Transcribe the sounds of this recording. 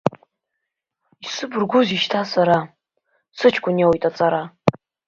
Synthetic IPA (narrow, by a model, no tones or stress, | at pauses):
isɨbɨrɡʷʊziʃtʰasaɾa | sɨt͡ʃʰkʷʼʊniawjtʼat͡sʼaɾa